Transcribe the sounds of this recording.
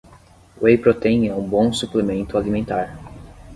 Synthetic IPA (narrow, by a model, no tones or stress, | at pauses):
wejpɾot̪ẽj̃ɐ̃ũbõw̃suplemẽnt̪ʊalimẽnt̪aɾ